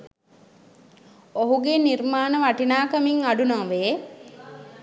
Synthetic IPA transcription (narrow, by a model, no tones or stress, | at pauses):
oɦuɡenirmaːnəʋaʈinaːkɐmiŋaɖunaŋʋeː